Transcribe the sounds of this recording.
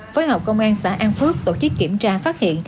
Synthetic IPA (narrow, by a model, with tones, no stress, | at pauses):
foː˨˦jɦɔ˨˩k͡p̚kə˧wŋ͡mʔaː˧nsa̰ː˧˩˥ʔaː˧nfɨ˦˥ək̚t̪o˧˨˩t͡ɕɨ˦˥kːi˧˩əmt͡ɕaː˧faː˦˥t̚hḭ˧˨ən